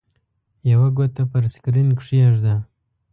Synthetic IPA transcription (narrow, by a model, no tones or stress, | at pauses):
jawaɡot̪apaɾskɾinkʂiaʐd̪a